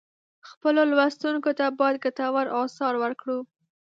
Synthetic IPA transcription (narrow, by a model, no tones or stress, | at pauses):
xpəlolwast̪unkot̪abɑjad̪̚ɡat̪awaɾʔɑsɑɾwəɾkɽu